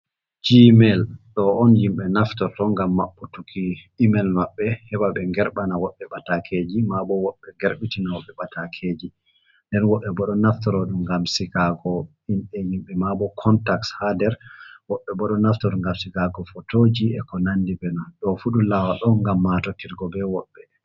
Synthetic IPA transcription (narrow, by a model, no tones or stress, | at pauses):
d͡ʒimɛlɗɔɔnjimɓɛnaftɔɾtɔŋɡamːaɓːɔtukʰiimɛlmaɓːɛhɛbaɓɛŋɡɛɾɓanawɔɓːɛɓatakʰed͡ʒimabɔwɔɓːɛɡɛɾɓitinawɔɓɛɓatakʰeːd͡ʒi | ndɛnwɔɓːɛbɔɗɔnaftɔɾɔɗumɡamsiɡaɡɔ | inɗɛjimɓɛmabɔkʰɔntakshadɛɾwɔɓːɛbɔɗɔnaftɔɾŋɡamsiɡaɡɔfɔtod͡ʒiɛkɔnandibɛnɔɗɔfuɗulawaɗɔŋɡamːatɔtiɾɡɔbɛwɔɓːɛ